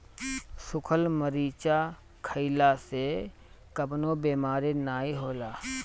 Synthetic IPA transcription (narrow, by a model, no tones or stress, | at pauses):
sʊkʰəlməɾiːt͡ʃa | kʰəɪlase | kəbnobeːmaːɾenaːiɦoːlaː